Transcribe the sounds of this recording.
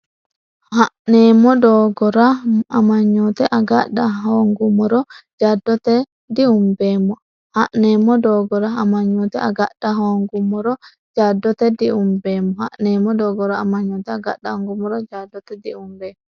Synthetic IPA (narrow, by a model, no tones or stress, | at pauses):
hanɛmɔdɔɡɔɾaamaɲːɔt̪ɛʔaɡaɗːaɦoŋɡumɔɾɔd͡ʒadːɔt̪ɛ | diumbɛmɔ | haʔnɛmɔdɔɡɔɾaamaɲːɔt̪ɛaɡaɗaɦoŋɡumɔɾɔ | d͡ʒadːɔt̪ɛdiumbɛmɔha̰ʔnɛmɔdɔɡɔɾaamaɲːɔt̪ɛaɡaɗaŋɡumɔɾɔd͡ʒadːɔt̪ɛdiumbɛmɔ